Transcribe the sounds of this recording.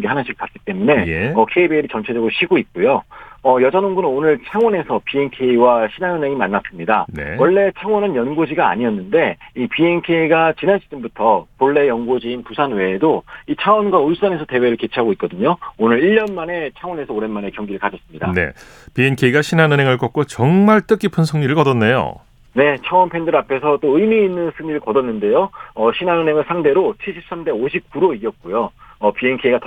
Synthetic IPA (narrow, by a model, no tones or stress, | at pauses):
ɡeɦanaɕʰiɡɯɭk͈at̚k͈i̥t͈e̞mune̞jʌkʰe̞ibeiɾit͡ɕʌnt͡ɕʰe̞d͡ʑʌɡɯɾoɕʰiɡoit̚k͈ujoʌjʌd͡ʑanoŋɡunɯnonɯɭt͡ɕʰaŋwʌne̞sʰʌpie̞nkʰe̞iwaɕʰinɦanɯnɦe̞ŋimanːas͈ɯmɲidan̰wʌɭːe̞t͡ɕʰaŋwʌnɯnjʌnɡod͡ʑiɡaa̰ɲiʌnːɯnde̞ipie̞nkʰe̞iɡat͡ɕinanɕʰi̥t͡ɕ͈ʰunbutʰʌpoɭːe̞jʌnɡod͡ʑiːnpusʰanwe̞ːdoit͡ɕʰaʌnɡwaɯɭs͈ʌne̞sʰʌte̞we̞ɾɯɭke̞t͡ɕʰiɦaɡoik̚k͈ʌdɯɲoonɯɾiʎːʌnmane̞t͡ɕʰawʌne̞sʰʌoɾe̞nmane̞kjʌŋɡiɾɯɭkad͡ʑʌs͈ɯmɲidane̞̰ | pienkʰeiɡaɕʰinanɯnɦe̞ŋɯɭk͈ʌk̚k͈ot͡ɕʌŋmaɭt͈ɯk͈ipʰɯnsʰɯŋɲiɾɯɭkʌdʌnːejo̰ | ne̞t͡ɕʰʌwʌnpʰe̞ndɯɾapʰe̞sʰʌt͈oɯimiinːɯnsʰɯŋɲiɾɯɭkʌdʌnːɯnde̞joʌɕʰinanɯnɦe̞ŋɯɭsʰaŋde̞ɾot͡ɕʰiɭɕʰip̚s͈amde̞oɕʰip̚k͈uɾoiɡjʌt̚k͈ojoʌpie̞nkʰe̞jiɡat